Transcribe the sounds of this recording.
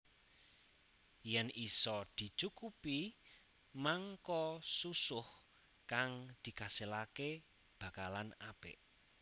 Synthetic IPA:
jɛnisɔd̪̥i̤t͡ʃukupi | maŋkɔsusʊh | kaŋd̪̥i̤kaselake | b̥a̤kalanab̥ɪ̰ʔ

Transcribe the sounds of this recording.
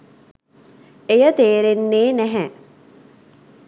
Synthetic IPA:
ejət̪eːɾenːeːnæɦɛ

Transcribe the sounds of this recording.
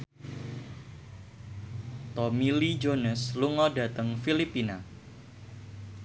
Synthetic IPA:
t̪ɔmilid͡ʒonəsluŋɔda̤t̪əŋfilipina

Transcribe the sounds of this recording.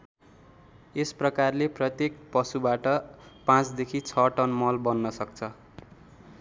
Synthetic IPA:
esprʌkarleprʌt̪jekpʌsubaʈʌpãt͡sd̪ekʰit͡sʰʌʈʌnmʌlbʌnːʌsʌk̚t͡sʰʌ

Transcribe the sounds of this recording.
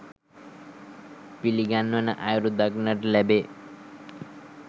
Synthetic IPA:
piliɡanːona̰ʔajɾud̪aɡnaɾlɛbe

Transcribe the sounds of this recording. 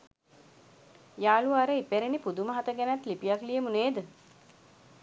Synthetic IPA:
jaːluaɾəipeɾenipud̪uməɦat̪əɡænæt̪lipijaklijəmuneːd̪ə

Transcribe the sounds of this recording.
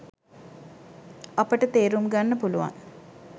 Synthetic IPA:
ɐpəʈət̪eːɾumɡanːəpuluʋa̰ŋ

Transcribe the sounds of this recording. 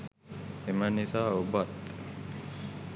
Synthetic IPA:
imanisaubat̪

